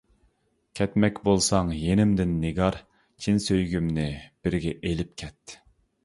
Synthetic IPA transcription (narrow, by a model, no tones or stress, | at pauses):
kʲʰɛt̪mɛkʲbolˠsɑŋjenɪmd̪ɪnːɪɡɑɾ | t͡ʃʰinsøjɡʲymnɪb̥ɪɾɡʲɛʔelɪp̚kʲʰɛt̪ː